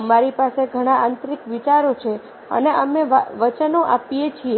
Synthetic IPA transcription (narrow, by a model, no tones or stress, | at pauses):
maɾipaseɡʱəɽ̃aant̪ɾikʋit͡ʃaɾot͡ʃʰe | ə̰neəmeʋʋət͡ʃənoʔapijet͡ʃʰie